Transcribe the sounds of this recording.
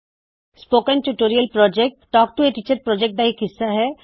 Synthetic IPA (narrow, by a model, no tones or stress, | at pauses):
spoːkənʈuʈoːɾijəlpɾɔːd͡ʒek̚ʈʈɔːk̚ʈueʈit͡ʃəɾ̚pɾɔːd͡ʒek̚ʈ̚d̪aikɦɪsːaɦɛː